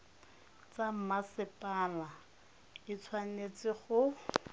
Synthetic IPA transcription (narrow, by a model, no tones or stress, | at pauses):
t͡sam̩masɪpʼala | ɪt͡sʰwanet͡sɪχʊ